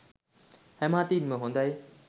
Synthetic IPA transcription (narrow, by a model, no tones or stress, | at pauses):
hemãːt̪iːnmẽɦõːnd̪aːɦeː